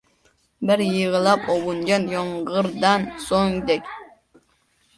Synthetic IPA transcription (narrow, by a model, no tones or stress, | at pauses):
bɪɾjɯʁɨlˠɑpobund͡ʒɑnjoɴʁəɾd̪ɑnsoŋd̪ɛkʲ